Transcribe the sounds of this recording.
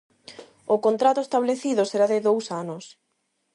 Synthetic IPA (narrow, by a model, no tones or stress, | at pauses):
ʊkont̪ɾat̪ʊest̪aβleθiðʊseɾaðɪðowsanʊs